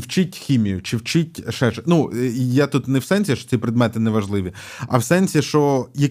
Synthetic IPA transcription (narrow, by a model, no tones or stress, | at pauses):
wt͡ʃɪtʲxʲimʲijʊt͡ʃɪwt͡ʃɪtʲʃɛʒɛnujat̪ut̪nɛwsɛnʲsʲiʃɔ̥t͡sʲipɾɪd̪mɛt̪ɪnɛʋɐʒlˠɪʋʲi | ɐ̰wsɛnʲsʲiʃt͡ʃɔjɐ